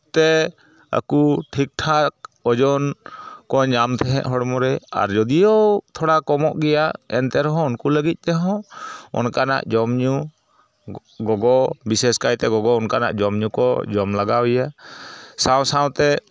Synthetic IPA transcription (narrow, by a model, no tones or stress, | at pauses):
t̪ɛ | a̰kuʈʰik̚ʈʰak̚ɔd͡ʒɔnkɔɲamt̪ʰɛɦɛ̰̃ʔ̪ɦɔɽmɔɾɛa̰ɾd͡ʒɔd̪ijɔt̪ʰɔɽakɔmɔʔɡɛjaʔɛnt̪ɛɾɔɦɔ̃unkuləɡit̪̚ˀt̪ɛɦɔ̃ɔ̰nkana̰ʔd͡ʒɔmɲu | ɡɔɡɔbisɛskajt̪ɛɡɔɡɔɔnkana̰ʔd͡ʒɔmɲukɔd͡ʒɔmlaɡawija | sawsawt̪ɛ